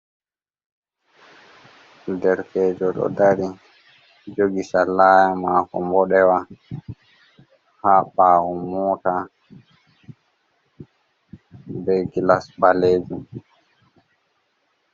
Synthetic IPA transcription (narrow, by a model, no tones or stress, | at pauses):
dɛɾkɛːd͡ʒɔɗɔ̰daɾi | d͡ʒoɡisalaːjamaːkɔ̰mbɔɗɛwa | haɓawɔmɔːta | bɛɡilasbaleːd͡ʒum